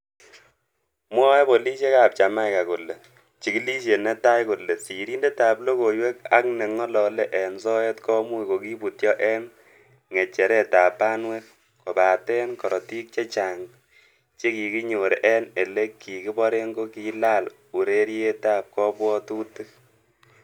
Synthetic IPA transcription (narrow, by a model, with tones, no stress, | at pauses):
mwɔ˦ɛ˦bo˨li˦ʃe˦ka˨p̚t͡ʃa˨ma˦jka˨ku˨le˨ | t͡ʃi˨ki˦li˦ʃe˨ne˦ta˦jku˨lːe˨si˨ɾi˦nde˦taː˨plo˦ko˨jwe˦k̚a̰˦kne˨ŋɔ˦lɔ˨le˦ʔɛ˨nsɔ˦ɛ˦tkɔ˦mu˦iko˨ki˦pu˨tjɔ˦ʔɛ˦n | ŋe˨t͡ʃɛ˨ɾɛ˦ta˨paː˦nwe˦k̚ | ko˨pa˨tɛ˦nkɔ˨ɾɔ˨ti˦k̚t͡ʃe˦t͡ʃa˨ŋ | t͡ʃe˦ki˨ki˦ɲo˨ɾe˨ʔɛ˦ne˨le˦ki˨ki˦bɔ˦ɾe˦ŋɡo˦ki˦la˦l | u˨ɾe˦ɾje˦taː˦p̚kɔ˦pwɔ˦tu˦tɨ˦